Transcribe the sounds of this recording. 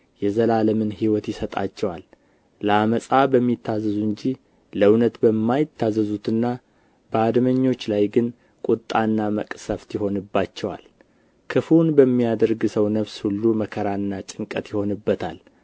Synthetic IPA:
jɛzəlaləmɨnhiwɔt̪jɪsət̪ʼa̰t͡ʃːɛwal | ləaməsʼabəmːit̪ʰːazːəzuɨɲd͡ʒi | ləwnət̪bəmːajɪt̪ʰːazəzut̪ɨnːa | b̥əad̪məɲːo̞t͡ʃːlajɡɨn | kʼut̪ʼːanːamə̰kʼsəft̪jɪho̞nɨbːat͡ʃːɛwa̰l | kʰɨfunbəmːijad̪əɾɡɨsəwnəβshulːuməkʰəɾaɨnːat͡ʃʼɪŋkʼət̪jɪho̞nɨbːət̪ʰa̰l

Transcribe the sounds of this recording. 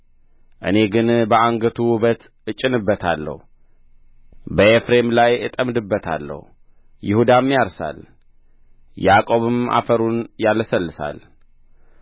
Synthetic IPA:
ʔɨ̰ne̞ɡɨnbəaŋɡət̪ʰuwβət̪ | ɨt͡ʃʼːɪnɨbːət̪ʰa̰lːə̰hu | bəefɾe̞mlajɨt̪ʼəmd̪ɨbːət̪ʰa̰lːə̰h | jɪhud̪amːjaɾsa̰l | jakʼo̞βɨma̰fəɾunjalsəlːɨsa̰l

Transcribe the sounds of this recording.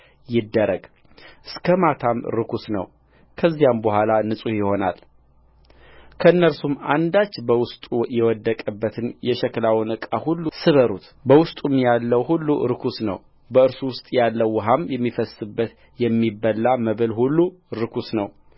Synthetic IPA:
jɪd̪ːəɾəɡ | ʔɨskʰəmat̪ʰamɾɨkʰusnə̰w | kʰəzːijambəhʷalanɨsʼuhjɪho̞na̰l | kʰəɨnːəɾsuma̰nd̪at͡ʃːbəwʊst̪ʼujɛwɔd̪ːəkʼəbːət̪ʰɨnjɛʃɛklawɨnɨkʼahulːusɨβəɾut̪ | bəwʊst̪ʼumjalːəwhulːuɾɨkʰusnə̰w | bəɨɾsuwʊst̪ʼjalːəwːɦamjɛmːifəsɨbːət̪ | jɛmːibːəlːaməβɨlhulːuɾɨkʰusnəw

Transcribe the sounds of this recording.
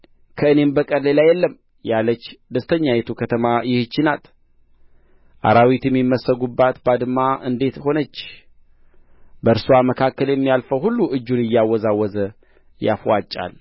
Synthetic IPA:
kʰəɨne̞mbəkʼədlelajːɛlːəm | jalət͡ʃːd̪əst̪ʰəɲːajɛt̪ʰukʰət̪ʰəmajɪhɨt͡ʃːɪnat̪ | ʔa̰ɾawit̪jɪmːjimːəsəɡubːat̪bad̪ɨmːaʔɨnd̪e̞t̪ho̞nət͡ʃː | bəɨɾsuwaməkʰakːəljɛmːijalfəwhulːuʔɨd͡ʒːunɪjːawɔzawːɔzə | ja̰fwat͡ʃʼːa̰l

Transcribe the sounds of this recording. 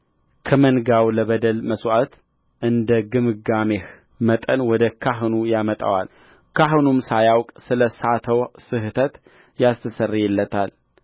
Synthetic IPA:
kʰəmənɡawləβəd̪əlməswʔat̪ | ʔɨnd̪əɡɨmɨɡameh | mət̪ʼənwɔd̪əkʰaɦɨnujamət̪ʼa̰wa̰l | kʰaɦɨnumsajawkʼsɨləsat̪ʰəwsɨɦt̪ʰət̪ | jast̪ʰəsərːijɛlːət̪ʰal

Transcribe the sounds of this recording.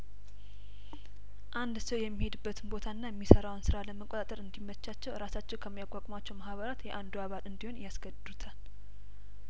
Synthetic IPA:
ʔand̪səwjɛmːihe̞d̪ɨbːət̪ʰɨnbo̞t̪ʰaɨnːajɛmːisəɾawnsɨɾaləməkʼot̪at̪ʼəɾɨnd̪imːət͡ʃːat͡ʃːɛwɾasat͡ʃːɛwkʰəmːijakʼakʼmat͡ʃːɛwmahβəɾat̪jɛʔand̪uaβat̪ɨnd̪iho̞njasɡəd̪d̪ut̪ʰal

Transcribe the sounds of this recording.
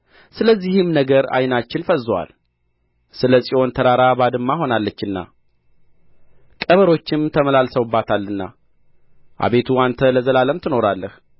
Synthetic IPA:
sɨləzːihɨmnəɡəɾa̰jnat͡ʃːɪnfəzːwa̰l | sɨləsʼio̞nt̪ʰəɾaɾabad̪ɨmːaɦo̞nalːət͡ʃːɨnːa̰ | kʼəβəɾo̞t͡ʃːɪmt̪ʰəməlalsəwɨbːat̪ʰalːɨnːa̰ | ʔa̰βe̞t̪ʰuant̪ʰələzəlaləmt̪ʰɨno̞ɾalːəh

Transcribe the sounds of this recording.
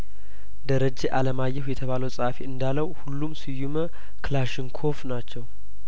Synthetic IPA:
d̪əɾəd͡ʒːeʔaləmajːɛhujɛt̪ʰəβaləwsʼəafiɨnd̪aləwhulːumsɨjumə | klaʃɪŋkʰo̞fnat͡ʃːɛw

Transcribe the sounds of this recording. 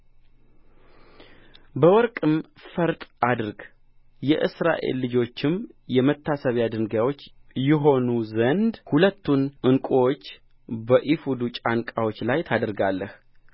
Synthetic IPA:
bəwɔɾkʼɨm | fəɾt̪ʼʔad̪ɨɾɡ | jɛʔɨ̰sɾa̰ʔe̞̰lːɨd͡ʒo̞t͡ʃːɪmjɛmət̪ʰːasəβjad̪ɨŋɡawo̞t͡ʃːjɛɦo̞nuzənd̪hulət̪ʰːunɨŋkʼowot͡ʃː | bəʔifud̪ut͡ʃʼankʼawot͡ʃːlajt̪ʰad̪ɾɡalːəh

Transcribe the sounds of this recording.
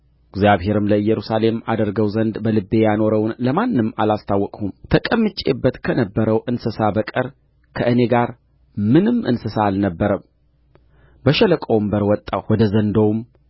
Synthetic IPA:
ɪɡzjaβhe̞ɾɨmləɨjːɛɾusale̞mad̪əɾɡəwzənd̪bəlɨbːe̞jano̞ɾəwnləmanːɨmalast̪ʰawːɔkʼhumt̪ʰəkʼəmːɨt͡ʃʼːḛbːət̪kʰənəbːəɾəwʔɨnsɨsabəkʼəɾ | kʰəʔɨne̞ɡaɾ | mɨnɨmʔɨ̰nsɨsaalnəbːəɾəm | bəʃɛləkʼəwmbəɾwɔt̪ʼːawɔd̪əzənd̪owm

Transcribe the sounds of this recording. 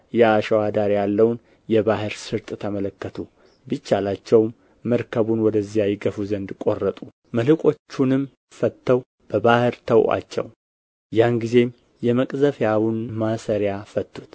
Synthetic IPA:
jɛaʃəwad̪aɾjalːəwn | jɛbahɨɾsɨɾt̪ʼt̪ʰəmələkːət̪ʰu | bit͡ʃːalat͡ʃːɛwmː | əɾkʰəβunwɔd̪əzijajɪɡəfuzənd̪kʼo̞rːət̪ʼu | məlɨkʼo̞t͡ʃːunɨm | fət̪ʰːəw | b̥əbahɨɾt̪ʰəwʔʼa̰t͡ʃːɛ̰w | janɡize̞m | jɛməkʼzəfjawunmasəɾjafət̪ːut̪

